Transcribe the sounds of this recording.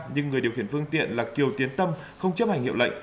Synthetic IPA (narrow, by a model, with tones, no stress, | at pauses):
ɲɨ˧ŋː˨˩ji˨˩wxi˧˩ənfɨ˧əŋt̪ḭ˧˨ənlaː˨˩ki˨˩əwt̪i˨˦ənt̪ə˧m | xə˧wŋ͡mt͡ɕə˦˥p̚ha˨˩jŋ̟hḭ˧˨wlə̰˧˨jŋ̟